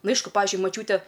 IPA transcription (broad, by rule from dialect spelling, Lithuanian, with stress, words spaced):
ˈnʊ ˈɐɪʃkʊ ˈpɑːʋʲɪzʲd͡ʒʲʊɪ mɐˈt͡ʃʲuːtʲɛ